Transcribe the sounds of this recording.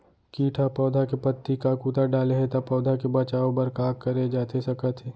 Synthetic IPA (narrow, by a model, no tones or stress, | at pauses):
kiːʈʰapɔːd̪ʱakepət̪ːikakuːt̪aɖaːleɦɛ̃t̪apɔːd̪ʱakebɐt͡ʃaːõbɐɾkaːkːɐɾed͡ʒaːt̪ʰesɐkət̪ʰe